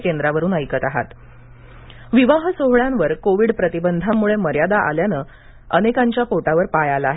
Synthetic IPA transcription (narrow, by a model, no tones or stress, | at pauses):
kend̪ɾaʋəɾuːnəjkət̪aɦa̰t̪ | ʋiʋaɦsoɦɭãnʋəɾkoʋiːɽpɾət̪ibənd̪ʱamːuɭeməɾjad̪aʔa̰ljanəː | ənekaɲt͡ɕjapoʈaʋəɾpajalaɦe